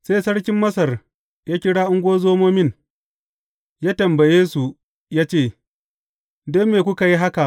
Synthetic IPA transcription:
seː˦sɐ˦ɽkʲɪ˦mːɐ˦sɐ˨r | jaː˦kʲɪ˦ɽaː˦ʔʊ˦ŋɡʷoː˦zoː˦moː˦mɪ˦˨n | jaː˦tɐ˨mbɐ˨jeː˦su˨ | jaː˦t͡ʃeː˦˨ | doː˦meː˨kʷʊ˦ka˨ji˦ɦa˦ka˨ʔ

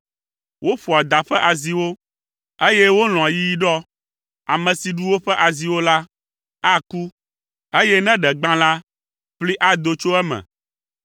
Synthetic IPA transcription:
wʔo˦fu˨a˨d̪a˨ɸɛ˦ʔa˨zi˨wo˦ | e˦jɛ˦wo˦l̃ɔ̃˨a˨ji˦ji˦ɖɔ˦ | a˨mɛ̃˨si˨ɖu˦wo˦ɸɛ˦ʔa˨zi˨wo˦la˦ | a˦ku˦ | e˦jɛ˦nɛ̃˦ɖɛ˨ɡ͡bã˦la˦ | ɸli˦ʔa˦d̪o˨t͡ʃo˦ɛ˦mɛ̰̃˨

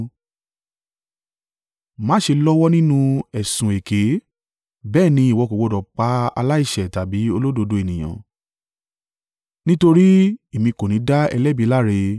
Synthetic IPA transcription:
mã˨˦ʃe˧lɔ˦wɔ˦nĩ˦nũ˦ɛ˨sũ˨e˨ke˨˦ | bɛː˦˨nĩ˧˦˨wɔ˨˧ko˨wo˨˧˨dɔ˨k͡pa˨˦a̰˧la˦i˦˨ʃɛ˨ta˨bi˨˦o˧lo˦do˧do˧e˨nĩ˨j̃ã̰˨ | nĩ˦to˧ɾi˦e˨mĩ˧ko˨nĩ˨˦da˦ɛ̰˧lɛ˦˨bi˨˧˦la˦ɾe˧

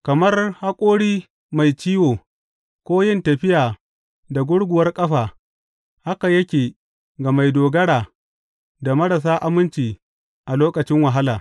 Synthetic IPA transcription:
kɐ˨mɐ˦rha˦kʷʼoː˦ɽiː˦ | ma˨jt͡ʃiː˦woː˨ | kʷoː˦jɪ˦ntɐ˨ɸɪ˦jaː˨ | da˨ɡʷʊ˦ɽɡʷʊ˨wɐ˦rkʼɐ˦ɸaː˨ | ha˦ka˨jɐ˦kʲeː˨ | ɡa˨ma˨jdoː˨ɡɐ˦ɽaː˨ | da˨mɐ˦ɽa˨s̬aː˦ʔa˦mɪ˦nt͡ʃiː˨ | ʔa˨loː˦kɐ˨t͡ʃɪ˦ŋwɐ˨ɦa˦laː˨

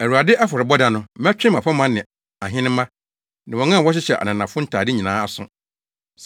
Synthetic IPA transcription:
æ˨ɾu˨a˨dɪ˦ʔa˦fɔ˨ɾɪ˨bɔ˦dã˨nʊ̃˦mɛ˦t͡ɕᶣɪ̃˦mã˨pʰa˦mã˦nɪ̃˨ | a˨ɦɪ̃˦nɪ̃˦mã˦ | nã˨wɔ̃˨ŋã˦˨wɔ˦ɕ̬ɪ˦ɕɛ˨ʔa̰˨nã˨nã˨fʊ̃˦n̩˦tʰaː˨dɪ˦ɲĩ˨nãː˨˦a˨sʊ̃˦

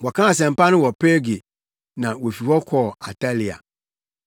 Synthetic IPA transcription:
wɔ˨kʰã˦a˨s̬ɛ̃˨m̩˨pa˦nɪ̃˦wɔ˨pe˦ɡe˨ | nã˨wo˨fi˨hɔ˦kʰɔː˦˨a˨tʰa˦li˨a̰˨

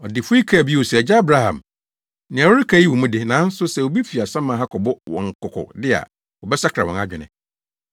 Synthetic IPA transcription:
ɔ˨dɪ˨fʊ˦i˦kʰa˦˨bi˦wo˨sɛ˨d͡ʑa˦a˦bɾa˦hã̰˨m | nɪ̃˨a˨wɔ˦ɾi˦kʰa˦i˦wɔ̃˨mũ˦dɪ˦nã˨˦n̩˦sʊ˦sɛ˨wo˨bi˦fi˨a˨sã˦mã˨˦ɦa˦kʰɔ˨bʊ˦wɔ̰̃˨ŋ̩˨kʰʊ˨kʰʊ̰˨dɪ˦a̰˨ | wɔ˨bɛ˦sa˦kʰɾa̰˨wɔ̰̃˨na˦d͡ʑᶣɪ˨nɪ̰̃˨

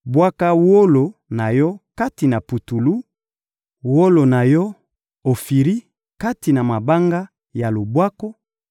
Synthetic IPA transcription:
bwa˦ka˦wo˦lo˨na˨jɔ˦ka˦ti˨na˨pu˨tu˨lu˦ | wo˦lo˨na˨jɔ˦ | o˨fi˨ʁi˦ | ka˦ti˨na˨ma˨ba˦ŋɡa˦ | ja˨lo˨bwa˦ko˦

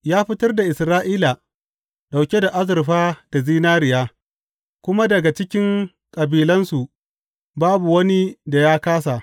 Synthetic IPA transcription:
jaː˦ɸɪ˦tɐ˦rda˨ʔɪ˨sɾaː˦ʔiː˦la˨ | ɗa˨wkʲe˦da˨ʔa˦zɪ˨rɸaː˦d̥a˨ziː˦naː˦ɾɪ˨jaː˦ | kʷʊ˦ma˦dɐ˨ɡa˨t͡ʃɪ˦kʲɪ˦ŋ | kʼɐ˨biː˨lɐ˦nsu˨ʔ | baː˦bu˨wɐ˦ni˦da˨jaː˦kaː˦s̬a˨ʔ

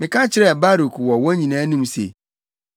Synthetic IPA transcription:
mɪ̃˨kʰã˦t͡ɕʰɪ˨˦ɾɛ˦˨ba˦ɾo˨kʰwɔ˨wɔ̃˦ɲĩ˨nãː˦nĩ˦msḛ˨

